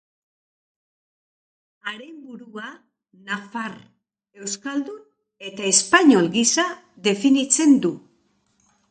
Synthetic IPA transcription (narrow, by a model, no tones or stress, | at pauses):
aɾe̞mbuɾua | nafaɾ | e̞wskald̪un | e̞t̪ae̞spaɲo̞lɡisa | ðe̞finit͡se̞nd̪u